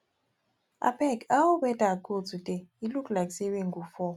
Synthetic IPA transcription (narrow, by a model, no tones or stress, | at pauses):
a̰pʰʼɛkawɔɓɛtʼakʼot͡sutʼɛilukʰʼlaksiweŋɡufɔ